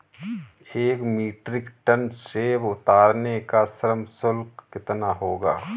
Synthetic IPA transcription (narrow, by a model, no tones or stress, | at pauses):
eːkmiːʈɾɪkʈənsebʊt̪aːɾnekasɐɾəmsʊlkːɪt̪naɦoːɡa̰ː